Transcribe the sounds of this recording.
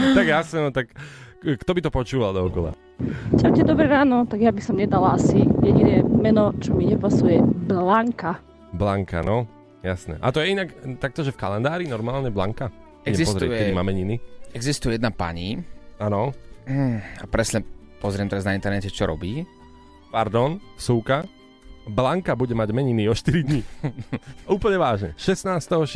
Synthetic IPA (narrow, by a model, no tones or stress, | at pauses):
t̪aɡjasnɛnɔt̪akːkt̪ɔbit̪ɔpɔt͡ʃuːʋald̪ɔɔkɔla̰ | camcɛd̪ɔbɾɛɾaːnɔt̪aɡjabisɔmɲɛd̪alaasijɛɟinɛːmɛnɔt͡ʃɔmiɲɛpasujɛblaŋka | blaŋka̰nɔ | jasnɛ̰ʔa̰t̪ɔjɛinakt̪ak̚t̪ɔʒɛfkalɛnd̪aːɾinɔɾmaːlɲɛblaŋka | ɛɲɛzispɔzɾɛujkɛimamɛɲiniɛɡzist̪ujɛjɛd̪napa̰ɲianɔ | apɾɛsɲɛpɔzɾɪɛmt̪ɛɾaznaint̪ɛɾnɛcɛt͡ʃɔɾʔɔ̰biː | paɾd̪ɔnsuːka | blaŋkabuɟɛmaɟmɛɲiniɔʃt̪iɾid̪ɲi | uːpl̩ɲɛʋaːʒɲɛ̰ʃɛsnaːst̪ɛɦɔʃ